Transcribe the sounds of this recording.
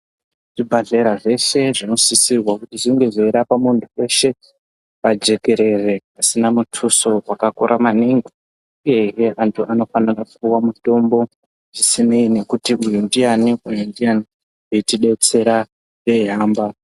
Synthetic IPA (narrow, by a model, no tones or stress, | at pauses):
ʐ̥ibʱaɮe̞ɾaʐe̞ʃe̞ʐino̞sisirwakutiʐiŋɡe̞zoeɾapamuntʰue̞ʃe̞ | pad͡ʒe̞ke̞ɾe̞re̞asinamutʰuso̞wakakoɾʔamaniŋɡi | uje̞ijeʔantʰuʔano̞fanirakuuwamuto̞mbo̞ | ʐisineine̞kutiʔujundianiujundiani | eitiɗe̞t͡se̞ɾa | je̞ɦaːmba